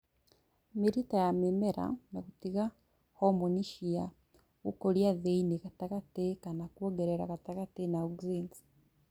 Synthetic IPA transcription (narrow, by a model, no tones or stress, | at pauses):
miɾitajamimeɾa̰nakutiɣa | homoniʃija | ɣukoljaðeinikatakatekanakwoɡeɾeɾa̰katakatenauɡuziːnzi̥